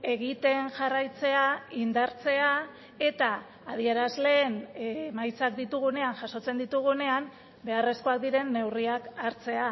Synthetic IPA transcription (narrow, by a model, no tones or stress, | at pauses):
e̞ɣit̪e̞nʝarajt͡se̞aind̪aɾt͡se̞a | e̞t̪aː | ð̞ie̞ɾazle̞ːnmajt͡sakd̪it̪uɣ̞une̞anʝaso̞t͡se̞nd̪it̪uɣ̞une̞am | be̞are̞sko̞ak̚d̪iɾe̞nːe̞wriakaɾt͡se̞a